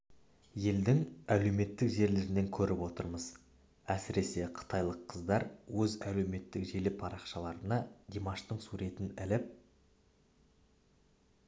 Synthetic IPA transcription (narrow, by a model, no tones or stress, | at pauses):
je̞ld̪ɪŋæle̞wme̞t̪ːɪkʒe̞ɾle̞ɾɪne̞ŋkʲʰɵɾɪpwo̞t̪əɾməz | æsɪɾe̞se̞qʰə̥t̪ʰɑjlˠəqʰːəzd̪ɑɾwɵzæle̞wme̞t̪ːɪkʒelɪpʰɑɾɑqʃɑlˠɑɾənɑd̪ʲemɑʃt̪əɴsuɾe̞t̪ɪnɪlɪp̚